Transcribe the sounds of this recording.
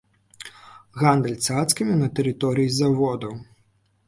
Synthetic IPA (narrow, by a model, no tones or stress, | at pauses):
ɣand̪ɛlʲt̪sat̪skʲimʲinɐt̪ɛɾɨt̪ɔɾɨjizavɔd̪ɐw